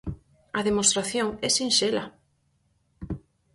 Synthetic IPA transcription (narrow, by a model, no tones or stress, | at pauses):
ɐðemost̪ɾaθjoŋɛsinʃela